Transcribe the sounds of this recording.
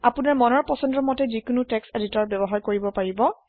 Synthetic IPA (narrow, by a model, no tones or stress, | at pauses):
apunaɹmɔnɔɹpɔsɔndɔmɔtɛzikunutɛkseditɔɹbjɔbɔɦaɹkoɹibɔpaɹibɔ